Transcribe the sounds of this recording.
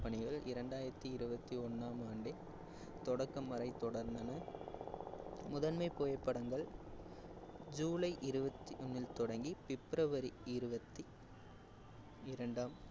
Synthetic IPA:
pɐɳɪɣɐɭɪɾɐɳɖaːjɪɾɐt̪ːɯɪɾɯbɐt̪ːiɔnːaːmaːɳɖɪl | t̪ɔɽɐkːɐmːɐɾɐɪt̪ɔɽɐɾnd̪ɐnɐ | mʊðɐnmɐɪpːoːjɐpːɐɽɐŋɡɐɭ | d͡ʒuːlɐɪʔɪɾɯbɐt̪ːiʔʊnːɪlt̪ɔɽɐŋɡipɪpːɾɐʋɐɾiɪɾɯbɐt̪ːi | ɪɾɐɳɖaːm

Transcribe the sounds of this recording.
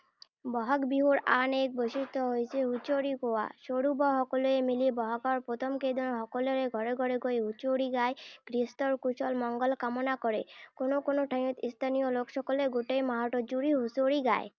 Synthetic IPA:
bɔɦakbiɦuɾanek̚bosit̪ɔɦojsʰeɦut͡ʃoɾikowa̰ʃoɽubɔɦɔkɔluemilibɔɦakɔɾpɾot̪ʰɔmkejd̪ɔnɦɔkɔleɾeɡʱɔɾeɡʱɔɾeɡojɦut͡ʃoɽiɡaekɾist̪ɔɾkut͡ʃɔlmɔŋɡɔlkamɔnakɔɾekonokonoʈʰajut̪ist̪ʰanijolokʃɔkɔleɡoʈejmaɦɔʈɔd͡ʒuɾiɦusoɽiɡa̰e

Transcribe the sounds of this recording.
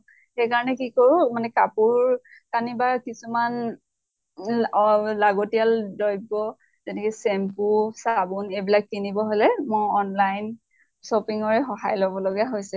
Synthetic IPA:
xejkaɹɔnɛkikoɹʊmanɛkapuɹ | kanibaɹkisuman | laɡotijaldɔjbɔ | zɛtʰɛkɛsɛmpusabunebilak̚kːinibɔɦojlɛmɔɔnlajn | sopiŋɔɹɛxɔɦajlɔbɔloɡaɦojsɛ

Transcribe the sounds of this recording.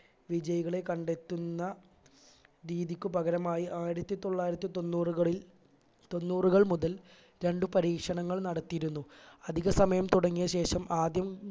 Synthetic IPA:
ʋid͡ʑɐjɐɣɐɭe̞kɐɳɖe̞t̪ːunːɐ | ɾiːðikʲːupɐɣɐɾɐmaːjiʔaːjiɾɐt̪ːit̪o̞ɭːaːjiɾɐt̪ːit̪onːuːrɐɭi | t̪o̞nːuːruɣɐɭmuðɐl | ɾe̞ɳɖupɐɾiːkʂɐɳɐŋːɐɭnɐɽɐt̪ːijiɾunːuɐd̪ʱiɣɐsɐmɐjɐmt̪uɽɐŋːijɐɕe̞ːʂɐmaːd̪jɐm

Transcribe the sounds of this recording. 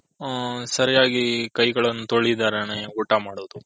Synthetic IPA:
sɐɾijaːɡikɐjɡɐɭɐnːut̪oɭid̪aːɾeneːuːʈːamaːɽoːd̪u

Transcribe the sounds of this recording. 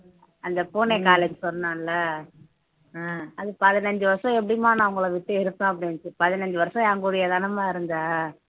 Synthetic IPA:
ɐnd̪ɐpoːneːkaːlɛd͡ʒsɔnːaːlːɐ | ɐðɯpɐðɪnɐɲd͡ʒɯʋɐɾsɔ̃ɛp̬ːɐɽɪmaːnɐʊŋɡɐɭɐʋɪʈ̪ːɯɪɾɯpːãːɐp̬ːɐɽɪnt͡ʃːɯpɐðɪnɐɲd͡ʒɯʋɐɾsɔ̃aŋɡuɽɪjɐðɐnɐmaːɪɾɯnd̪aː

